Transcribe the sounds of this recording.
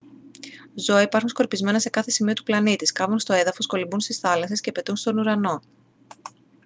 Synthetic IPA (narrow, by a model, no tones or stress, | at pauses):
zo̞ɐipɐɾxunsko̞ɾpizme̞nɐse̞kɐθe̞simio̞t̪u̥plɐnit̪iskɐvunst̪o̞e̞ðɐfo̞sko̞limbunst̪isθɐlɐse̞scepe̞t̪unst̪o̞nuɾɐno̞